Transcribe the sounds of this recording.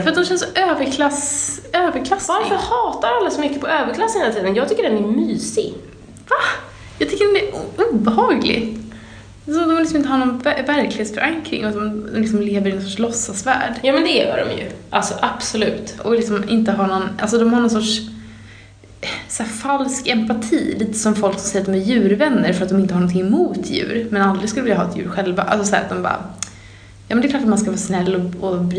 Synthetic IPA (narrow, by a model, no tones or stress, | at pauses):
fœɾt̪d̪ɔmɕɛnəsɔʔøːvəɾkʰlasøːvəɾkʰlasvaɾfəɾhɑːt̪aɾalːasɔmʏkːəpʰɔøːvəɾklasːənhelat̪iːd̪ənjɑːɡt̪ʏkːəɖɛnæmyːsɪɡ | va | jɑːt̪ʰʏkːədɛɛuːbəɦɑːɡlɪ̰ɡt̪ | sɔmd̪ɔmvɪlɪsmɪnəhɑnɔnvvæɾklɪheːt̪sfœɾaŋkɾɪ̰ŋɔɔmd̪ɔlɪksɔmleːvəɾɪnɔnsɔʈʂlɔsːasvæ̰ːɖjɑːmɛnd̪ɛjœ̰ːɖɔ̰mjɵ̰ʔalsɔʔab̥sɔlʉ̟ːt̪ʔɔlɪksɔmɪnt̪əɦanɔnʔa̰ls̬ɔd̪ɔmhaɾɳɔnsɔʈʂ | sæːfalskɛmpat̪ʰiːliːt̪ə̥sɔmfɔlksɔm̩sɛjɾat̪d̪ɔmæɾjʉ̟ːɾvɛnːəɾfœɾat̪̚d̪ɔmɪnt̪əhaɳɔnt̪ʰɪŋːmuːt̪ʰjʉ̟̰ːɾmɛnald̪ɾɪɡskɵlːvɪljaɦɑːɛt̪jʉ̟ːɾɧɛlva̰ʔa̰lsɔsæ̰ːɾat̪̚d̪ɔmbɑ̰ːɾa̰ | jɑːmɛnd̪ɛklɑːʈat̪manskavɑːsnɛlːɔɔb